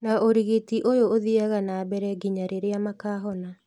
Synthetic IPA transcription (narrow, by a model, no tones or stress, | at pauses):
naʔoɾiɣetiʔojooðiaɣanaːbɛɾɛɡiɲaɾeɾeamakaːɦɔna